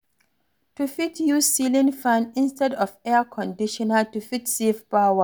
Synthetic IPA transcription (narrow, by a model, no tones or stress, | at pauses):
tufitjuzsilĩnfãnĩnstɛdɔfɛəkʰɔ̃ndiʃɔnatufitsivpawa